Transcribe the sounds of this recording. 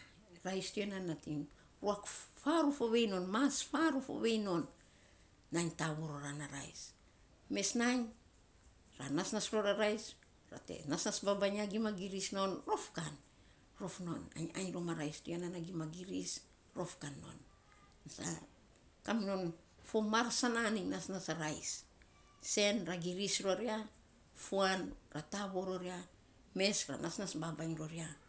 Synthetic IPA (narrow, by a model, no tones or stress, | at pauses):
ɾajstuenanatim | ɾuakfaɾufoβe̞jno̞nmasfaɾufo̰βe̞jno̞nː | aɲtaβoɾoɾanaɾa̰js | me̞snaɲ | ɾa̰nasnasɾo̞ɾaɾajs | ɾa̰te̞̰nasnasbabaɲaɡimaɡiɾisno̞nɾo̞fkan | ɾo̞fno̞na̰ɲa̰ɲɾomaɾajstujananaɡimaɡiɾis | ɾo̞fkanːo̞̰nː | asa̰ | kamno̞n | fomaɾsananiŋnasnasaɾajsː | e̞nɾaɡiɾisɾo̞ɾia | fuanɾataβo̞ɾo̞ɾia | me̞sɾa̰nasnasbabaɲɾo̞ɾia